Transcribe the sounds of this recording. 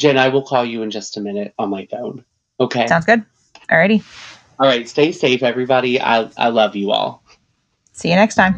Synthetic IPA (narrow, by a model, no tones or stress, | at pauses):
d̥ʒ̥ɪ̃naɪwəlˠkʰɔlˠjɨɨ̃nd͡ʒʌstəmɪ̃nɨɾn̩maɪfõʊ̃n | oʊkʰeɪãʊ̃ndzɡʊd̚ | ʔɑɹɛɾi | ɔlˠɹaɪtsteɪseɪfɛvɹibɑɾia̰ɪʔa̰ɪlʌvjɨɔ̰lˠ | siɨnɛkstʰãɪ̃m